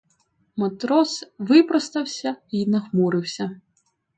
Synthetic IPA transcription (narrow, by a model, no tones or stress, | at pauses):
mɔt̪ɾɔsʋɪpɾɔst̪ɐwsʲɐinɐxmuɾɪwsʲɐ